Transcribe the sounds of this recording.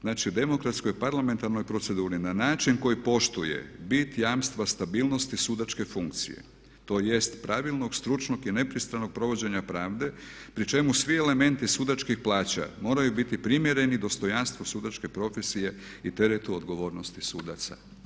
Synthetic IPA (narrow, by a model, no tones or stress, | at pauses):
znaːt͡ʃiud̪e̞mo̞kɾat̪sko̞jpaɾlame̞nt̪aɾno̞jpɾo̞t̪se̞d̪uːɾinanaːt͡ʃinko̞jipo̞ʃt̪uje̞̰bit̪jaːmst̪ʋast̪abiːlˠno̞st̪isud̪at͡ʃke̞fuŋk̚t̪sḭjḛ | t̪o̞ːje̞st̪pɾaʋilˠno̞ɡst̪ɾut͡ʃno̞ɡine̞pɾist̪ɾano̞ɡ̚pɾo̞ʋo̞d͡ʑe̞ɲapɾaːʋd̪e̞pɾit͡ʃe̞musʋie̞le̞me̞nt̪isuːd̪at͡ʃkixplˠaːt͡ɕa̰mo̞ːɾajubit̪ipɾimje̞ɾe̞nid̪ost̪o̞janst̪ʋosuːd̪at͡ʃke̞pɾo̞fe̞sije̞ | it̪e̞ɾet̪uod̪ɡo̞ʋo̞ːɾno̞st̪isuːd̪at̪sa̰